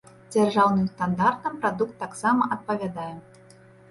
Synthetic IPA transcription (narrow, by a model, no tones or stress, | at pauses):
d͡zʲarʐawnɨwst̪and̪art̪nɐmpɾad̪ukt̪ːaksamɐʔɐt̪̚pɐvʲad̪ajɛ